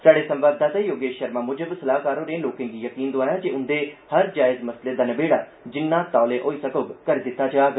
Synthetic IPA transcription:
saːɽesɐ̃mʋaːd̪ʱːat̪ejoːɡeːʃəɾmãmʊd͡ʒəbsɐlaːɦkaːɾõɾẽloːkẽːɡijɐkiːnd̪ʊaːjad͡ʒeʊnd̪ehɐɾd͡ʒaːɪzmɐsled̪aːnɐbeːɽaːd͡ʒɪnːãt̪aːleʔoːisɐkoɡkəɾed̪ɪt̪ːad͡ʒaːɡ

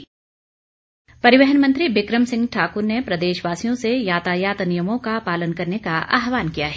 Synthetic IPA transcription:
pɐɾɪʋɛɦənmɐ̃nt̪ɾiʋɪkɾəmsɪ̃ŋɡʈʰaːkʊɾnepɾɐd̪eːʃʋaːsijõsejaːt̪aːjaːt̪nijəmõkapaːlənkɐɾnekaʔa̰ːɦʋaːnkijaɦɛ

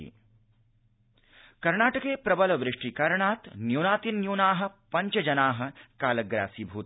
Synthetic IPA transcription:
ḭː | kɐɾɳaːʈɐkeːpɾɐbɐlɐʋɾɪʂʈikɐɾɳaːt̪njuːnaːt̪inːjuːnaːɦɐ̆pɐɲt͡ʃɐd͡ʒɐnaːɦɐ̆kaːlɐɡɾa̰ːsiːbʱuːt̪

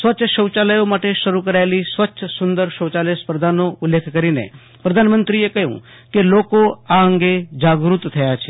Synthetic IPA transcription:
sʋətːʃʰəʃəwt͡ʃaləjomaʈeʃəɾukəɾaelisʋətːʃʰəsʊnd̪əɾʃəwt͡ʃaləspɾəd̪ʱanoʊlːekʰkəɾinḛ | pɾəd̪ʱanmənt̪ɾiekəɦjṵ̃ | kelokoaəŋɡed͡ʒaɡɾut̪t̪ʰəjat͡ʃʰe

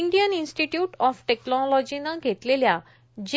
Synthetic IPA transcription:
ɳɖijəninsʈiʈjuːʈɔfʈeknɔlɔd͡ʑinaɡʱet̪lelja | d͡ʑ

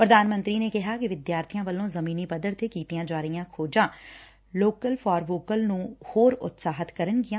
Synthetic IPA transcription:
pɾəd̪aːnmə̃nt̪ɾiːneːkɪɦaːkɪʋɪd̪jaːɾt̪ʰijãːʋəlːõːzəmĩːniːpəd̪əɾt̪ʰekiːt̪ijãːd͡ʒaːɾəijãːkʰoːd͡ʒãː | loːkəlpʰɔːɾʋoːkəlnũːhoːɾʊ̰t̪saːɦət̪kəɾənɡɪjãː

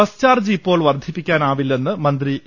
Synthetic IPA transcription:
ɐst͡ɕaːrd͡ʑiipːo̞ːɭʋɐrd̪ʱipːikʲːaːnaːʋilːe̞nːɨmɐnd̪ri

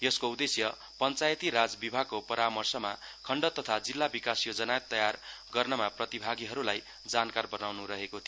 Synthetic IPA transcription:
jʌskoud̪esjʌ | pʌnt͡sajt̪iɾad͡zbibʱaɡ̚kːopʌɾamʌrsʌmakʰʌɳɖʌt̪ʌt̪ʰad͡zilːabikasjod͡zʌnajʌt̪ːʌjarɡʌrnʌmaprʌt̪ibʱaɡiɦʌɾulaj | d͡zankarbʌnawnuɾʌɦekot̪ʰio

